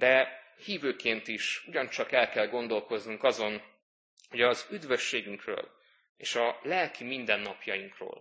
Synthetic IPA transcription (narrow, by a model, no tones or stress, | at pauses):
d̪ɛ | hiːvøːkeːnt̪iʃuɟɒnt͡ʃɒkɛlkɛlɡo̞nd̪o̞lko̞znuŋkɒzo̞n | ho̞ɟɒzyd̪vø̞ʃːeːɡyŋkrø̰ːl | ḛːʃɒlɛlkʰimind̪ɛnːɒpjɒjiŋkro̰ːl